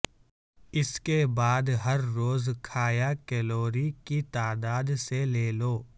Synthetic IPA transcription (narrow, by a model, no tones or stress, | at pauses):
ɪskebaːd̪ɦɐɾːoːzkʰaːjakɛloːɾikit̪aːd̪aːd̪seleːloː